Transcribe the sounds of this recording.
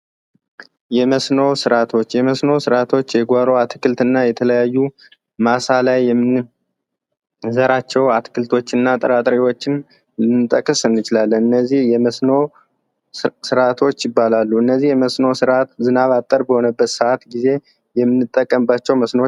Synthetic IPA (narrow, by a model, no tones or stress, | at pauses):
jɛməsnosɨɾat̪ʰo̞t͡ʃːjɛməsno̞sɨɾat̪ʰo̞t͡ʃːjɛɡʷaɾo̞at̪kʰɨlt̪ɨnːajɛt̪ʰələjajːu | masalajːɛmːɨn | zəɾat͡ʃːɛwat̪kʰɨlt̪ʰo̞t͡ʃːɨnːat̪ʼəɾat̪ʼɾewo̞t͡ʃːɪn | lɨnɨt̪ʼəkʼːɨsɨnːɨt͡ʃɪlalːənɨnːəzːihjɛsno | sɨɾat̪ʰo̞t͡ʃːjɪbːalalːuɨnːəzːihjɛməsnowsɨɾat̪zɨnaβat̪ʼːəɾbəho̞nəbːət̪səʔat̪ɡize̞ | jɛmːɨnːɨt̪ʼːəkʼːəmbat͡ʃːɛwməsno